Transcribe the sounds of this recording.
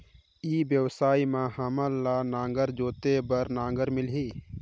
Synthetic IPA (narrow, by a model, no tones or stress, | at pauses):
ibjəwsaːimãhəməlːanãːŋ̆ɡəɾd͡ʒoːt̪ebəɾnãːŋɡəɾmɪlɦiː